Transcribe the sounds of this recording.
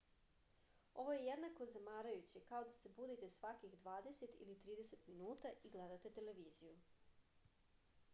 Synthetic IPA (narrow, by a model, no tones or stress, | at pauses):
o̞ʋo̞je̞jed̪nakozamaːɾajut͡ɕikao̞d̪asebud̪it̪e̞sʋakixd̪ʋaːd̪e̞se̞t̪ḭlit̪ɾiːd̪ese̞t̪minuːt̪aʔiɡled̪at̪e̞t̪e̞le̞ʋiːziju